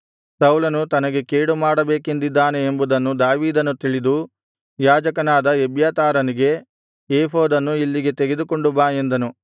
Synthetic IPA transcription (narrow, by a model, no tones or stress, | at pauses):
sɐwlɐnut̪ɐnɐɡe̞keːɽumaːɽɐbeːkend̪id̪ːaːne̞ːmbud̪ɐnːud̪aːʋiːd̪ɐnut̪iɭid̪u | jaːd͡ʒɐkɐnaːd̪ɐebjaːt̪aːɾɐniɡe̞ | eːɦoːd̪ɐnːuilːiɡe̞t̪eɡe̞d̪uko̞ɳɖubaːjend̪ɐnu